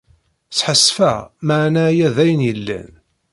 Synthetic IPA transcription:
t͡sːħəsːfæ̰maʕnæjæðæjənjəlːæ̰n

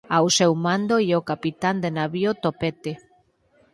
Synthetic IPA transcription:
awsɛwmãnd̪oiokapit̪and̪enaβiot̪opet̪e

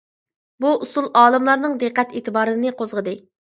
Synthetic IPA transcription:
buʔusulˠɑːlˠɨmlˠɑɾnɨŋd̪eqːɛt̪eːt̪ʰɨbɑːɾɨnɨnɨqʰozʁəd̪ɨ

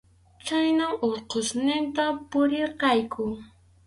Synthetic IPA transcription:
t͡ʃajnaŋoɾqosnɪnt̪apʊɾeɾqɑjkʊ

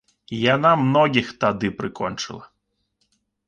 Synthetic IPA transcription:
janamnɔɡʲixt̪ɐd̪ɪpɾɪkɔnt͡ʃɪ̰lˠɐ

